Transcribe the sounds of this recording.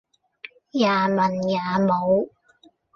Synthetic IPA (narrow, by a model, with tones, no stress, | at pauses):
jaː˨˩mɐ˨˩njaː˨˩mo˨˧w